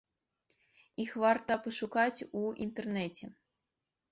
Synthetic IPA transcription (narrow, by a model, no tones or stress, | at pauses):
ixvart̪ɐpɐʂukat͡sʲuint̪ɛrnɛt͡sʲɛ